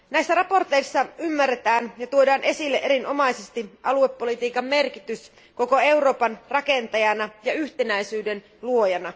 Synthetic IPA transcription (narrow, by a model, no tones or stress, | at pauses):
næjsːæɾrɑpo̞rt̪e̞isːɑymːærːet̪æːnjɑt̪uodɑːnʔe̞silːeʔeɾinʔo̞mɑijsest̪iʔɑlue̞pːo̞lit̪iːkɑmːe̞rk̟it̪ys | ko̞ko̞e̞wɾo̞ːpɑnrɑke̞nt̪ɑjɑnɑjɑyçt̪e̞næjsyːde̞n | luo̞jɑnɑ